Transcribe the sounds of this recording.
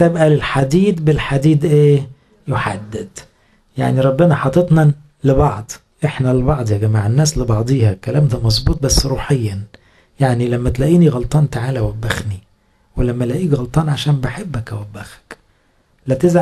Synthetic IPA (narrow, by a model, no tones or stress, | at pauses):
t̪ebʔælelħad̪iːd̪belħad̪iːd̪ʔeː | joħad̪ːed̪̥ | ja̰ʕniɾˤɑbːenæħɑt̪ˤːet̪nɑ | lebɑʕd̪ˤ | ʔeħnælebɑʕd̪ˤjæɡæmaʕenːæːslebɑʕd̪ˤiːhɑkælæːmt̪æmɑzˤbuːt̪̚ˤbæsːɾuːħejːæ | jaʕnilæmːæt̪læːʔiːniɣɑlt̪ˤɑːnt̪aʕaːlæwæbːæxni | welæmːælæʔiːɡɣɑlt̪ˤɑːnʕaʃæːmbeħebːækæwæbːæxæ̥k | læt̪ɪzʕ